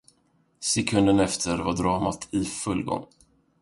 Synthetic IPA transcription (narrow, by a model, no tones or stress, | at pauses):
sɛkʰɵnd̪ənɛft̪ʰəɾvaɖɾɑːmat̪ʰɪfɵlːɡɔ̰ŋː